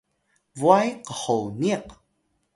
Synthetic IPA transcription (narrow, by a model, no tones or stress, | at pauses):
vuajqəħowniq